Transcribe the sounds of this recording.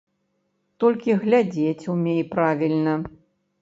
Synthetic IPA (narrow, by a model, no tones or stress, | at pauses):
t̪ɔlʲkʲiɣlʲad͡zʲet͡sʲumʲejpɾavʲilʲnɐ